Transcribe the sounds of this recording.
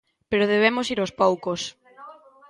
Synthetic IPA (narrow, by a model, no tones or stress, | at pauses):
peɾoð̞eβ̞emʊsiɾospowkos